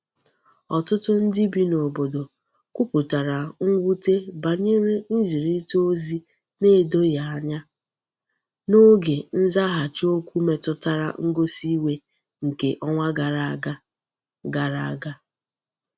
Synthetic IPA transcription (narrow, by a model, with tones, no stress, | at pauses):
ɔ˨tʊ˦tʊ˦n̩˦dɪ˦bi˦no˨bo˨do˨ | kʷu˦pu˨ta˨ɾa˨ŋ̩˦ɡʷu˦te˦ba˨ɲe˦ɾi˦n̩˦zi˨ɾi˦to˦zi˦ | ne˦˨do˦ja˨a˨ɲa˦ | no˦ɡe˨n̩˦za˦ɦa˨t͡ʃo˦kʷu˦me˨tʊ˦ta˦ɾa̰˨ŋ̩˦ɡo˦si˦we˦ | ŋ̩˨ke˨ʔɔ˦ŋʷa˦ɡa˨ɾa˦ɡa˦ | ɡa˨ɾa˦a˨ɡa˦